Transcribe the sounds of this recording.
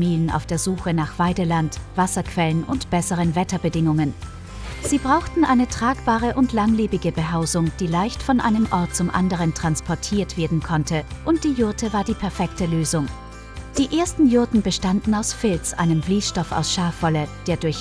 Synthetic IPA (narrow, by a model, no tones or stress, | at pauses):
miːlənʔa̰ʊfd̥eːɐzuːxənaːχv̥aɪdəlantv̥asɐkv̥ɛlənʊntb̥ɛsəʁ̞ənvɛtɐbədɪŋʊŋən | z̥iːbʁaʊxtn̩ʔaɪnətʁ̥aːkb̥aːʁəʔʊntlaŋliːbɪɡəbəɦaʊzʊŋd̥iːlaɪçtfɔnʔa̰ɪnəmʔɔɐt̚t͡sʊmʔa̰ndəʁ̞əntʁ̥anspʰɔɐtʰiːɐtv̥eːɐdn̩kʰɔntʰəʔʊnt̚d̥iːjʊɐtʰəvaːɐdiːpʰɛɐfɛktəløːzʊŋ | d̥iːʔeːɐstn̩jʊɐtn̩bəʃtandn̩aʊsfɪlt͡sʔa̰ɪnəmbliːsʃtɔfa̰ʊsʃaɐfɔləd̥eːɐdʊɐç